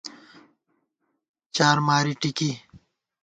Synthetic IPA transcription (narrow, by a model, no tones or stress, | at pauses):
t͡ɕaːɾmaːɾiʈiki